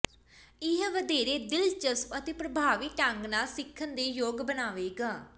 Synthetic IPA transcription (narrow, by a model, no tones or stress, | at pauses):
ɪɦʋəd̪eːɾeːd̪ɪlt͡ʃəspət̪eːpɾəbʱaːʋiːʈəŋɡnaːsɪkʰːənd̪eːjoːɡbənaːʋeːɡaː